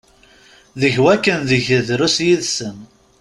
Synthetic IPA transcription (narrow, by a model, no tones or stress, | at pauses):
ðəçwækːənðəʝəðɾusjiðsən